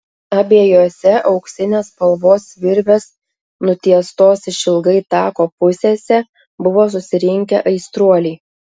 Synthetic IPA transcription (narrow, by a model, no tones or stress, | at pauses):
ɐbʲeːjoːsʲɛʔɒʊkʃsʲɪnʲeːspɐlˠʋoːsʋʲɪɾʲʋʲes | nʊt̪ʲiɛst̪oːsʲʃʲɪlˠɡɐɪt̪ɑːkoːpʊsʲeːsʲɛ | bʊʋoːs̬ʊsʲɪɾʲɪŋʲkʲɛʔɐɪst̪ɾuɔlʲɛɪ